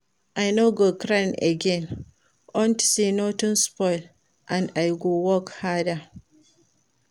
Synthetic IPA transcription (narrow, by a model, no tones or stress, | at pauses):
ʔajnoɡokɾãna̰ɡɛ̃n | ʔɔ̃ntsinotɔ̃nspɔɪl | ʔãnajɡowɔkhada